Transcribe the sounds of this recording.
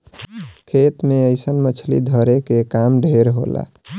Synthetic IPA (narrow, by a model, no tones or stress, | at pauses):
kʰet̪meəɪsənmət͡ʃʰlḭd̪ʱəɾekekamɖʱeɾɦo̰la̰